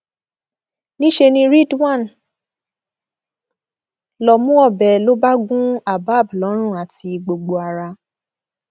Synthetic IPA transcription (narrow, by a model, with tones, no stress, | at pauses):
nĩ˦ʃe˧nĩ˧ɾi˦˨dwã˦˨n | lɔ˨mũ˦ɔ˦˨bɛ˨lo˦ba˦ɡũ˦a˦˨ba˨˦˨bu˨lɔ˨˦ɾ̃ũ˦˨a˨ti˧ɡ͡bo˨ɡ͡bo˧a˧ɾa˧